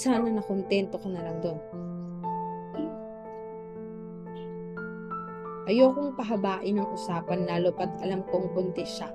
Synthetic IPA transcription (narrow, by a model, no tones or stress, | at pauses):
saːnɐnɐkont̪ɛnt̪o̞kɐnɐlɐŋd̪on | ʔɐjoːkoŋpɐɦɐbaːʔɪnɐŋʔʊsaːpɐnlaːlopɐt̪ɐlamkoŋkʊnt̪ɛʃa